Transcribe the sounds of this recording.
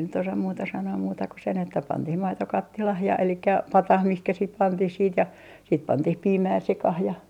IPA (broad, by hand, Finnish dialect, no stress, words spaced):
nyt osɑm muːtɑ sɑnoː muːtɑ ku sen etːæ pɑntih mɑito kɑtːilɑh jɑ elikːæ pɑtɑh mihkæ sit pɑntih siːt jɑ siːt pɑntih piːmæː sekɑh jɑ